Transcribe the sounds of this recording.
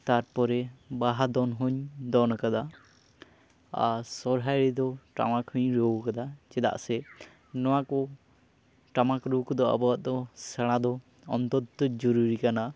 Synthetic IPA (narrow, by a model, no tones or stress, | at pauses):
t̪aɾpɔɾɛbaɦad̪ɔnɦɔɲd̪ɔnɔkad̪a | a̰sɔɾɦajɾɛd̪ɔʈa̰makhɔɲɾokad̪at͡ʃɛd̪a̰ʔsɛ | nɔwakɔ | ʈamakɾukɔd̪ɔa̰bɔaʔd̪ɔsaɽ̃ad̪ɔ | ɔnt̪ɔt̪ːɔd͡ʒɔɾuɾikana